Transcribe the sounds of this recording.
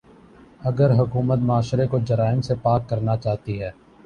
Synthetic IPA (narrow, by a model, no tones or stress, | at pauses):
ɐɡəɾɦʊkuːmət̪̚maːʃɾekod͡ʒɐɾaːɪmsepaːkːɐɾnat͡ʃaːɦt̪iɦɛː